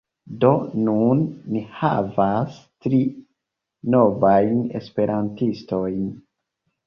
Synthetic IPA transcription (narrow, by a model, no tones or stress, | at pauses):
do̞nunːihavastɾi | no̞vajne̞̰spe̞ɾʔantisto̞jn